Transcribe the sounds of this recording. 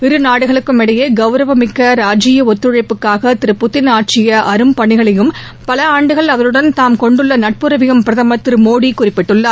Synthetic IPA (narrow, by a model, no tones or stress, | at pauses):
ɪɾɯnaːɽɯɣɐɭɯkːɯmɪɽɐjeːɡɐʋɾɐʋɐmɪkːɐɾaːd͡ʒɪjɐɔt̪ːɾɯɻɐɪpːɯkːaːɣɐt̪ɪɾɯpːʊt̪ːɪnaːʈ̚t͡ʃɪjɐʔɐɾɯmpɐɳɪɣɐɭɐjɯm | pɐlɐaːɳɖɯɣɐɭɐʋɐɾɯɽɐnt̪aːmkɔɳɖɯɭːɐnɐʈ̚pɯɾɐʋɪjɯmpɪɾɐðɐmɐt̪ːɪɾɯmoːɽikʊrɪpːɪʈːɯɭːaː